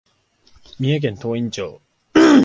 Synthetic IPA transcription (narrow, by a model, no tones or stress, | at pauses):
mʲĩak̬ẽnt̪oːĩɲ̟t͡ɕo̰ː